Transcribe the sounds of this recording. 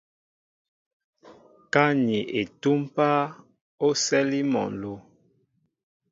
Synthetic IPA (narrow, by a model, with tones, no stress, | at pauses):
ka˦ɲi˨ʔe˨tu˦mpa˦ | o˦sɛ˦li˦mɔ̰˨lo˨